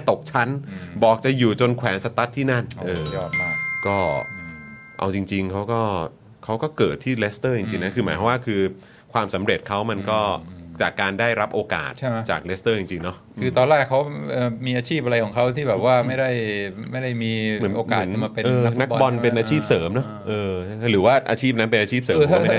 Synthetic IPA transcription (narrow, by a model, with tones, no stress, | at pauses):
t̪o˨˩k̚t͡ɕʰa˦˥nbɔː˨˩k̚t͡ɕa˨˩juː˨˩t͡ɕo˧nkʰwɛː˩˦ŋsa˧t̪a˦˥t̪ʰːiː˥˩na˥˩nʔɤː˧˩˥kɔː˥˩ | ʔa̰˧wt͡ɕi˧ŋt͡ɕi˧ŋkʰa˦˥wkɔː˥˩ | kʰa˦˥wkɔː˥˩kɤː˨˩t̪ʰːiː˥˩le˦˥st̪ɤː˥˩t͡ɕi˧ŋt͡ɕi˧ŋna˦˥kʰɯː˧maː˨˦kʰwaː˥˩kʰɯː˧ | kʰwaː˧msa˩˦mɾe˨˩t̪̚kʰa˦˥wma˧nkɔː˥˩t͡ɕaː˨˩kːaː˧ndaː˥˩jɾa˦˥p̚ʔoː˧ka̰ː˨˩t̪̚t͡ɕa̰ː˨˩k̚le˦˥st̪ɤː˥˩t͡ɕi˧ŋt͡ɕi˧ŋnɔ˦˥kʰɯː˧t̪ɔː˧nlaː˥˩kʰa˦˥wʔɤː˨˧˩miː˧ʔaː˧t͡ɕʰiː˥˩p̚ʔa˧ɾa˧jkʰɔː˩˦kʰa˦˥wt̪ʰiː˥˩bɛː˨˩p̚waː˥˩ma˥˩jda˥˩jma˥˩jɾa˥˩jmiː˧mɯ˩˦oː˧kaː˨˩˦nka˧ma˧pe˧ɤː˧˦nna˦˥k̚bɔ˧npe˧nʔaː˧t͡ɕʰiː˥˩p̚sɤː˩˦mnɔ˦˥ʔɤː˧a˥˩a˥˩ɾɯː˩˦waː˥˩ʔa̰ː˧t͡ɕʰiː˥˩p̚na˦˥pe˧nʔaː˧t͡ɕʰiː˥˩p̚sɤː˨˧˦a˥